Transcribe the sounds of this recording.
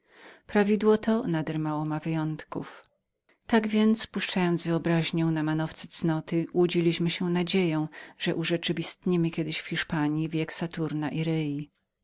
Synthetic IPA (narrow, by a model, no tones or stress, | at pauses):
pɾavʲid̪wɔt̪ʰɔnad̪ɛɾmawɔmavɘjɔnt̪kṵf | t̪aɡvʲjɛnt̪spuʂt͡ʂajɔnd̪zvɘɔbɾaʑɲɔ̃w̃namanɔft̪sɛ̥t̪snɔt̪ɘwud͡ʑilʲiɕmɘɕɛnad͡ʑejɔ̃w̃ʐ̥ɛʔuʐɛt͡ʂɘvʲist̪ɲimɘkʲɛd̪ɘɕfxʲiʂpaɲjivʲjɛksat̪uɾnaʔiɾɛji